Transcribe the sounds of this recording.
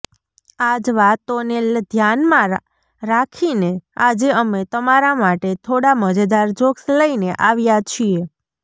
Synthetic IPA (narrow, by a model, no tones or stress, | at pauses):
ad͡ʒʋat̪oneld̪ʱjanmã | ɾakʰinead͡ʒeəmet̪əmaɾamaʈet̪ʰoɽaməd͡ʒad̪aɾd͡ʒoksləineʔaʋjat͡ʃʰie